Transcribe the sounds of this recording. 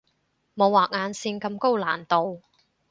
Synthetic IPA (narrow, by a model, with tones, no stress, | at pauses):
mo˨˧wːaː˨k̚ŋaː˨˧nsiː˧nkɐ˧mko˥wlaː˨˩nt̪o˨˧w